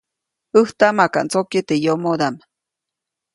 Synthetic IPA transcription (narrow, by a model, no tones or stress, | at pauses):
əht̪amaka̰ʔnt͡sokit̪ejomod̪am